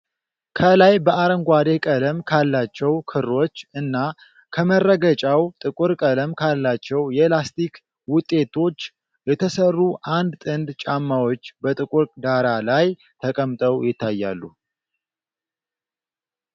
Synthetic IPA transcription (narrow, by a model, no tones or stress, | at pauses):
kʰəlajbəʔaɾəŋɡʷad̪e̞kʼələmkʰalːat͡ʃːɛwkʰɨro̞t͡ʃːɨnːa | kʰəmərːəɡət͡ʃʼawt̪ʼɨkʼuɾkʼələmkʰalːat͡ʃːɛwjɛlast̪ik | wʊt̪ʼːe̞t̪ʰo̞t͡ʃː | jɛt̪ʰəsərːuʔand̪t̪ʼɨnd̪t͡ʃʼamːawo̞t͡ʃːbət̪ʼɨkʼuɾʼd̪aɾalaj | t̪ʰəkʼəmt̪ʼəwjɪt̪ʰːajːa̰lːu